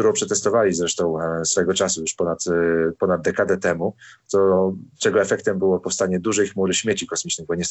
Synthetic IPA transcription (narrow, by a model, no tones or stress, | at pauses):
t̪uɾɔ̃w̃pʂɛt̪ɛst̪ɔvalʲizɾɛʂt̪ɔ̃w̃sfɔɛɡɔt͡ʂasujuʂpɔnat̪pɔnad̪̚d̪ːɛkad̪ɛt̪ɛmut̪ɔt͡ʂɛɡɔɛfɛkt̪ɛmbɘwɔpɔfst̪aɲɛd̪uʐɛjxmuɾɘɕmʲjet͡ɕikɔsmʲit͡ʂnɘɣbɔɲɛs